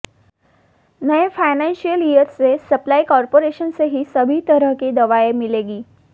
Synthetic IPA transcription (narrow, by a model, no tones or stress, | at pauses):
nɐefaɪnɛ̃nʃijəlijəɾsesɐplaikɔːɾpoɾeʃənseɦisɐbʱit̪əɾəɦked̪ɐʋaemɪleːɡiː